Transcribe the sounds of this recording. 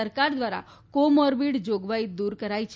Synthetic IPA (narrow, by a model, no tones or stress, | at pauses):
əɾkaɾd̪ʋaɾa̰ | komɔɾbiːɽd͡ʑoɡʋait̪̚d̪uːɾkəɾajt͡ɕ